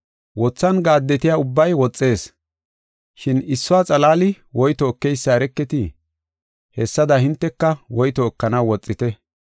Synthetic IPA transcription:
wɔt͡sːɐnɡaːd̪ːɛt̪ɪjaʊbːɐjwɔt͡sʼːe̞ːs | ʃɪnɪsːɔwaːt͡sʼɐlaːlɪ | wɔjt̪ɔːkːɛjsːaɾɛkːɛt̪ɪ | hɛsːɐd̪ɐhɪnt̪ːɛkːɐwɔjt̪ɔːkːɐnɐwwɔt͡sʼːɪt̪ɛ

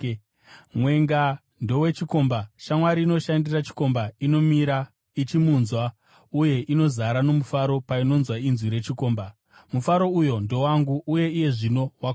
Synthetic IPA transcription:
mwe̞ŋɡa | ndo̞we̞t͡ʃiko̞mbaʃamwaɾiːno̞ʃandirat͡ʃi̥ko̞mbaino̞miɾa | it͡ʃimunzwa | uje̞ʔino̞zaɾano̞mufaɾo̞paino̞nzwainzwiɾe̞t͡ʃiko̞ːmba | mufaɾo̞ujo̞ndo̞waŋɡuʔːje̞ije̞ʐino̞wak

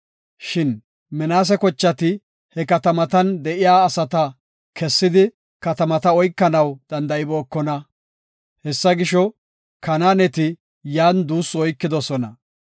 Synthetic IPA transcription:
ʃɪn | mɛnaːs̬ɛkɔt͡ʃːɐt̪ɪ | hɛkɐt̪ɐmɐt̪ɐnd̪ɛʔɪjaːɐsɐt̪ɐ | kʰɛsːɪd̪ɪ | kɐt̪ɐmɐt̪ɐɔjkːɐnɐwd̪̥ɐnd̪ɐɪboːkːɔnɐ | hɛsːɐɡɪʃɔ | kɐnaːnɛt̪ɪ | jaːnd̪uːsːʊɔjkːɪd̪ɔsɔnɐ̰

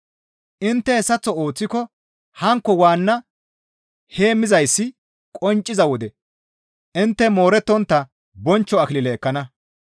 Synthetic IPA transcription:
ʔɪnt̪ːɛhɛsːɐt͡sːɔo̞ːt͡sːɪkɔ | hɐŋkːɔwaːnːɐ | he̞ːmːɪzɐjsːɪ | kʼɔnt͡ʃʼːɪzɐwɔd̪ɛ | ʔɪnt̪ːɛmo̞ːɾɛt̪ːɔnt̪ːɐ | bɔnt͡ʃːɔɐkɪlɪlɛːkːɐnɐ

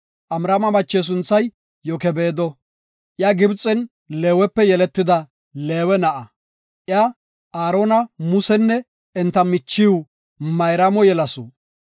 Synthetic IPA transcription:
ʔɐmɾɐmɐmɐt͡ʃːeːs̬ʊnt͡sːɐj | jɔkɛbeːd̪ɔ | ʔjaɡɪbt͡sʼːɛn | leːwɛpːɛjɛlɛt̪ːɪd̪ɐ | le̞ːwɛnɐʔɐ | ʔja | aːɾoːnɐmʊsɛnːɛ | ɛnt̪ːɐmɪt͡ʃːɪw | mɐjɾɐmɔjɛlɐsɔ

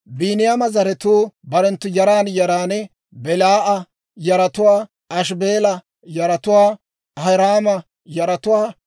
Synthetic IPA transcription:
biːnɪjamɐzɐɾɛt̪uːbɐɾɛnt̪ːʊjɐɾaːnjɐɾaːnɛ | bɛlaːʔɐ | jɐɾɐt̪ʊwaː | ɐʃbeːlɐ | jɐɾɐt̪ʊwaː | ɐɐɾaːmɐ | jɐɾɐt̪ʊwaː

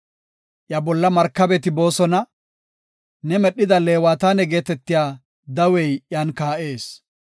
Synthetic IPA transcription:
ʔjɐbɔlːɐmɐɾkːɐbɛt̪ɪbo̞ːsɔnɐ | nɛmɛɗːɪd̪ɐle̞ːwaːt̪aːnɛɡeːt̪ɛt̪ːɪjaː | d̪ɐwɛjʔjaːnkaːʔe̞ːs

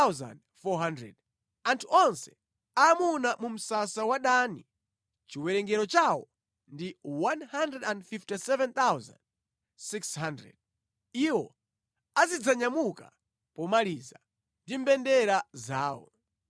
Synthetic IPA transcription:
wza̰nd | fɔɦandɾɛ̰d | antʰuɔnsɛ̥ | aːmunamum̩sasawaɗani | t͡ʃiwɛɾɛŋɡɛɾɔt͡ʃawɔ | ndiwanhandɾɛdãndfiftisɛvɛnt̪awza̰nd | sikshandɛ̰d̚ | iwɔ | azid͡zaɲamuka | pɔmaliːza | ndim̩bɛndɛɾazaːwɔ̰

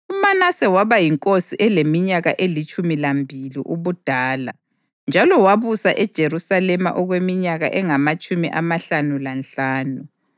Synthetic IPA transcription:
umanasɛwaβajiŋkʼosiʔɛlemiɲaɣaʔelit͡ʃʼumilambʱilḭʔuβud̥ʱaːla | nd͡ʒʱalɔwaβusaʔɛd̥ʒ̥ʱerusalɛma̰ʔɔɣwemiɲaɣa̰ʔɛŋamat͡ʃʼumḭʔamaɬanulanɬaːnu

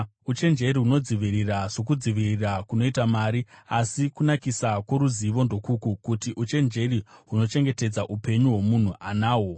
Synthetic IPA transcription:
ut͡ʃe̞nd͡ʒe̞ɾiɦuno̞d͡ziʋiriraʐo̞k̬ud͡ziʋirirakuno̞itamaːɾiasikunakisakwoɾuziʋo̞ndo̞kukukutiʔut͡ʃe̞nd͡ʒe̞riɦuno̞t͡ʃe̞ŋɡe̞te̞d͡zaʔupe̞ɲuwo̞mun̤uanaːwo̞

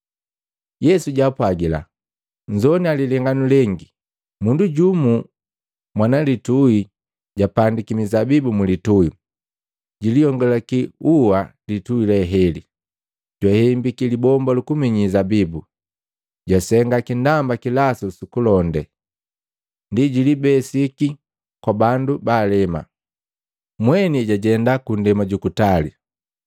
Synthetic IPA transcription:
jɛsuɟapwaɡila̰ | ɲd͡ʒɔnialilɛŋɡanulɛŋɡi | munduɟumu | mwanalitui | ɟapandikimizabibumulitui | ɟilijɔŋɡɔlakiuwalituilɛɦɛli | ɟwahɛmbikilibɔmbalukumiɲizabibu | ɟasɛŋɡakindambakilasusukulɔndɛ | ndiɟilibɛsiki | kwabandubaːlɛma̰ | mwɛniɟaɟɛndakundɛmaɟukutali

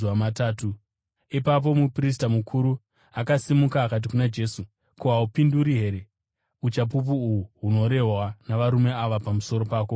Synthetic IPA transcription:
amataːtu | ipap̬o̞mupris̬tamukʰuɾu | akasimukaːkat̬ikunad͡ʒe̞ːsu | kuɦaupinduɾiɦe̞ɾe̞ | ut͡ʃap̬up̬uːwuɦuno̞ɾe̞ɦwanaʋaɾume̞aʋapamuso̞ɾo̞paːko

